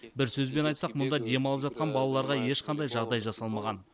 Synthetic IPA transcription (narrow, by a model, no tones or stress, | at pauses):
bɪɾsɵzbe̞nɑjt̪sɑqmʊnd̪ɑd̪e̞mɑlˠəpʒɑt̪̚qɑnbɑlˠɑlˠɑɾʁɑje̞ʃqʰɑnd̪ɑjʒɑʁd̪ɑjʒɑsɑlˠmɑʁɑn